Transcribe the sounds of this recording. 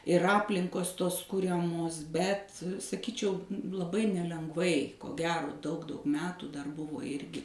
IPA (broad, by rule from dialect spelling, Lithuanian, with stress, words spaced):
ɪr ˈɑːpʲlʲɪŋkoːs ˈtoːs ˈkʊrʲɛmoːs ˈbʲɛt sɐˈkʲiːt͡ʃʲɛʊ lˠɐˈbɐɪ nʲɛlʲɛŋɡˈʋɐɪ koː ˈɡʲæːroː dɐʊk dɐʊk ˈmʲæːtuː dɐr ˈbʊʋoː ˈɪrʲɡʲɪ